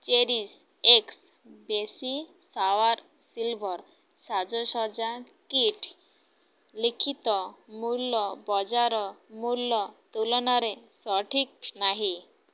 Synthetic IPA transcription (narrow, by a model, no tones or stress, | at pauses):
t͡ɕeɾis | eks | besi | saʋaɾ | silbʱɔɾ | sad͡zɔɕɔd͡zã | kiʈʰ | likʰit̪ɔmulːɔbɔd͡zaɾɔmulːɔt̪ulɔnaɾesɔʈʰik̚naɦi